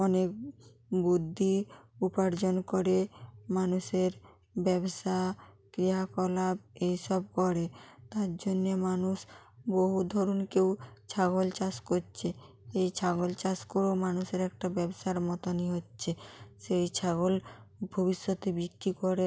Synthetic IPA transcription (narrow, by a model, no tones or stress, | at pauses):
ɔnek̚ | bud̪ʱːiupaɾd͡ʑonkoɾemanuʃeɾ | bɛbʃa | kɾiɦakɔlab̚ejʃɔb̚kɔɾet̪aɾd͡ʑonːemanuʃboɦud̪ʱɔɾonkewt͡ɕʰaɡolt͡ɕaskotːt͡ɕʰe | ejt͡ɕʰaɡolt͡ɕaskoɾewmanuʃeɾɛkʈabɛboʃaɾmɔt̪oniɦotːɕʰeʃejt͡ɕʰaɡolbʱobiʃːot̪ebikɾikoɾe